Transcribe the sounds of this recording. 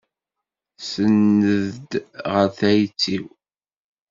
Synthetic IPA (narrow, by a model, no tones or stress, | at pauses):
sənːəðd̪ʁəɾθæjt͡sːiw